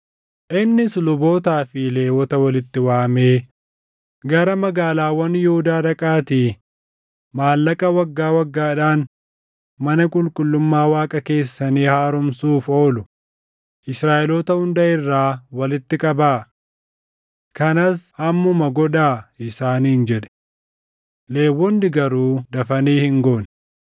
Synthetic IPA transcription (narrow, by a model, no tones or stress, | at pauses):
ʔɪnːɪslʊbo̞ːt̪aːfɪle̞ːwɔt̪ɐwɐlɪt̪ːɪwaːme̞ː | ɡɐɾɐmɐɡaːlaːwɐnjɛhʊd̪aːd̪ɐkʼaːt̪iː | maːlːɐkʼɐwɐɡːaːwɐɡːaːᶑaːn | mɐnɐkʼʊlkʼʊlːʊmːaːwaːkʼɐke̞ːsːɐniːhaːɾʊmsuːfo̞ːlʊ | ʔɪsɾaːʔɛloːt̪ɐhʊnd̪ɐʔɪrːaːwɐlɪt̪ːɪkʼɐbaː | kɐnɐshɐmːʊmɐɡɔᶑaːʔɪsaːniːnd͡ʒɛᶑɛ̥ | le̞ːwːɔnd̪ɪɡɐɾuːd̪ɐfɐniːhɪŋɡoːn